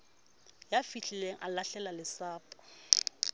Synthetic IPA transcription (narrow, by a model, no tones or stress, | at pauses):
jafiɬileŋ̩ʔa̰laɬɛlalɪsaːpʼɔ̥